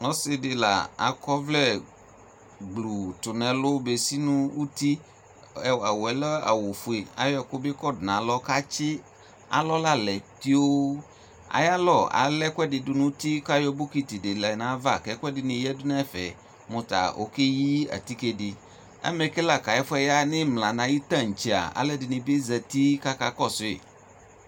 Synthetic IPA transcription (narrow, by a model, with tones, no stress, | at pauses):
ŋɔ˨˦sɪ˧dɪ˧la̰˨a̰˨kɔ˦vlɛ˦˨ | ɡ͡blu˨tʊ˨nɛ̃˨lʊ˦be˨si˦nũ˦u˦ti˦˨˦ | a˨wɛ˨˦lɔ˦a̰˨wo˨fu˨e˨a̰˨jɔ˦ɛ˧˨kʊ˦bɪ˦kɔ˦˨dnã˨˦lɔ˦ka˦t͡ʃɪ˦ | a̰˨˦lɔ˦la˦lɛ˨ti˦o˦ | a̰˨˦ja˦lɔ˦˨a̰˨lɛ˦kʷɛ˦dɪ˨dʊ˦nʊ̃˦ti˦ka˦jɔ˦bʊ˦ki˦ti˨dɪ˨lɛ˨nã˨˦va˦˨kɛ˨˦kwɛ˦dɪ˨nɪ̃˨jɛ˦dʊ˦na˦fɛ˨ | mʊ̃˨t̪a̰˨o̰˨˦ke˦ji˦a̰˨t̪i˦ke˦dɪ˨ | ɛ̰˦mɛ˨kɛ˦la˦˨ka˨ɛ˦fʊ˦ɛ˨ja˦nɪ̃˦mlã˨nã˨ji˦t̪ã˦˨ŋ̩˨t͡ʃi˨a̰˨a̰˨lɛ˦dɪ˨nɪ̃˨bɪ˦zɛ˨ti˦ka˦ka˦kɔ˦˨sʊ˨ɪ̰˨